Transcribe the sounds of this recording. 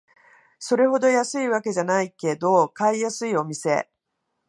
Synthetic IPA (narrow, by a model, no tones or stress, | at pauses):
so̞ɾe̞ɦo̞d̪o̞jasɨiβake̞ʑanaike̞d̪o̞kaijasɨio̞mʲise̞